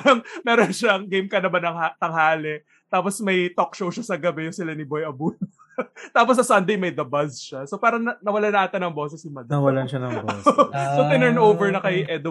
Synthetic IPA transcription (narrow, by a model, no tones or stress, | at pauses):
ɾɐŋmɛːɾonʃaʔɐŋɡejmkɐnɐmanɐŋhat̪ɐŋhaːlɛ | t̪aːposmɐjt̪ok̚ʃowʃasɐɡɐbɛjʊŋsɪlanɪbojɐbuːno | t̪aːpos̬ɐsɐnd̪ejmɐjd̪ɐbɐsʃasopaːɾɐnɐnɐwɐlanɐʔaːt̪ɐnɐŋboːsɛsɪmɐd̪ɐwɐlaʃanɐ | sot̪ɪnɛɹnʔowvɛɹnɐkɐjʔɛd̪o